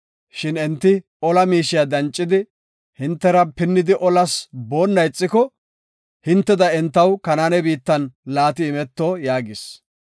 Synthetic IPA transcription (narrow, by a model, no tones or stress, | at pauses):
ʃɪnɛnt̪ːɪ | ɔlɐmiːʃɪjad̪ɐnt͡ʃʼːɪd̪ɪ | hɪnt̪ːɛɾɐpɪnːɪd̪ɪʔɔlɐsbo̞ːnːɐjt͡sʼːɪkɔ | hɪnt̪ːɛd̪ɐɛnt̪ːɐwkɐnanɛbiːt̪ːɐnlaːt̪ɪːmɛt̪ːoːjaːɡɪs